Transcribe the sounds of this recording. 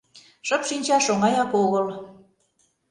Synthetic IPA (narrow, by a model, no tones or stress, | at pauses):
ʃəpʃinʲt͡ɕɑʃoŋɑjɑkoɣəl